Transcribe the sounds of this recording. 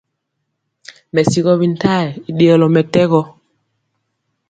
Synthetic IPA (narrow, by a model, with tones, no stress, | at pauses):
mɛ˨si˨ɣɔ˦βi˨n˦tʰa˦˨ɛ˨i˨ɗe˨ɔ˨lɔ˨mɛ˨tɛ˦ɣɔ˦